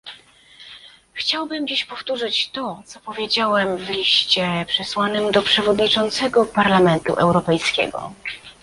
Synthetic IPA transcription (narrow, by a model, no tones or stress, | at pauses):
xt͡ɕawbɘmd͡ʑiɕpɔft̪uʐɘt͡ɕt̪ɔt̪sɔpɔvʲjed͡ʑawɛmvlʲiɕt͡ɕɛpʂɛswanɘmd̪ɔpʂɛvɔd̪ɲit͡ʂɔnt̪sɛɡɔpaɾlamɛnt̪ṵʔɛ̰wɾɔpɛjskʲɛ̰ɡɔ̰